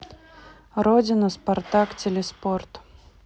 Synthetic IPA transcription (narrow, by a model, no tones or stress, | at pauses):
ɾodʲɪnʊspart̪aktʲelʲɛsport̪